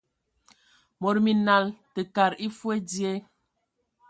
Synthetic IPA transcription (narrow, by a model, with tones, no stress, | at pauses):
mo˨ɾmi˨na˨ltə˨ka˨ɾi˦fwe˦di˦e˦